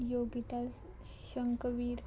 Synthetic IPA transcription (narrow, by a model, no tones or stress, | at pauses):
joɡit̪as | ɕəŋkəʋiːɾ